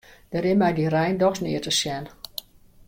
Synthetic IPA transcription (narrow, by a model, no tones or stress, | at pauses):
d̥əɾɪmɛjdirɛjndɔxsnɪətəsjɛn